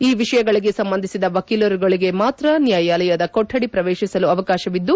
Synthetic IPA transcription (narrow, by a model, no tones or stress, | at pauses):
iːʋiʃɐjɐɡɐɭiɡe̞sɐmbɐnd̪ʱisid̪ɐʋɐkiloːɾuɡɐɭiɡe̞maːt̪ɾɐnjaːjaːlɐjad̪ɐkoʈʰːɐɽipɾɐʋeːʃisɐluɐʋɐkaːʃɐʋid̪ːu